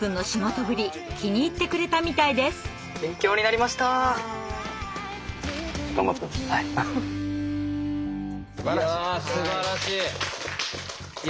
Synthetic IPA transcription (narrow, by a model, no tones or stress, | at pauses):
pɯ̟̃nːo̞ɕimo̞t̪o̞bɯ̟ɾʲi | kʲʰiɲ̟iːt̪ːe̞kɯ̟ɾe̞t̪amʲit̪aid̪e̞sɨ̥ | bẽ̞ŋkʲo̞ːɲ̟inaɾʲimaɕi̥t̪a | t̪o̰mot̪oa | sɨbaasɨaɾaɕiː